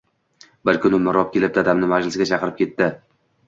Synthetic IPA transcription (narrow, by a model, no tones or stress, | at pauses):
bɪɾkʰʊnʊmɪɾɒp̚kʲe̞lɪp̚d̪ad̪amnɪmad͡ʒlɪsɪɡʲat͡ʃʰɑqɨɾɪp̚kʲʰe̞t̪ːɪ